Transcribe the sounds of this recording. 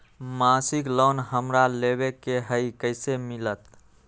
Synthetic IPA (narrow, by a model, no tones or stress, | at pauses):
masiklɔnɦəmɾaleβekeɦəikəɪsemilət̪